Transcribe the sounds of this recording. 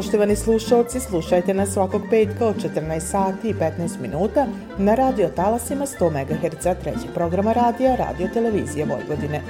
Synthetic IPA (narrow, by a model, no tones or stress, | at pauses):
poʃt̪o̞ʋanislˠuʃao̞t̪sislˠuʃajt̪e̞nasːʋako̞ɡ̚pe̞ːt̪kao̞d̪̚t͡ʃet̪ərɾnaest̪saːt̪iːpe̞t̪naest̪minuːt̪a | naɾaːd̪io̞t̪alasimast̪o̞ːme̞ɡaxeɾt̪sat̪ɾḛt͡ɕe̞ɡ̥̚pɾo̞ɡɾamaɾaːd̪ijaɾa̰ːd̪io̞t̪e̞le̞ʋḭːzijeʋo̞̰jʋod̪ine̞